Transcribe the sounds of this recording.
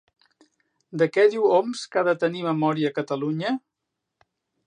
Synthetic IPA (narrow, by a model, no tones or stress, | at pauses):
d̪əkɛðiwɔmskaðət̪əniməmɔɾiəːkət̪əluɲə